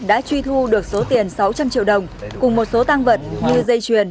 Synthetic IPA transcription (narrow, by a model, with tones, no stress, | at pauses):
ɗa̰ː˧˥t͡ɕwi˧t̪ʰu˧ɗɨ˨˩ək̚so˨˦t̪i˨˩ənsa˨˦wt͡ɕa˧mt͡ɕḭ˧˨wɗə˨˩wŋ͡mkʊ˨˩ŋ͡mmo˨˩t̚so˨˦t̪a˧ŋvə˨˩t̚ɲɨ˧zə˧jt͡ɕwi˨˩ən